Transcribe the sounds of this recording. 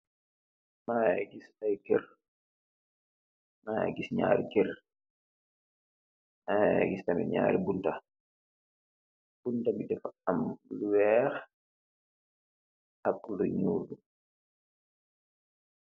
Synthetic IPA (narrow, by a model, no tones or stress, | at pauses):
majaɡisajkɛr | maja̰ɡisɲa̰ːɾḭkɛɾ | aɡistamɛ̰ɲa̰ːɾibunta | b̥untabitɛfaamluwɛɾ | akundɔɲuːɾdu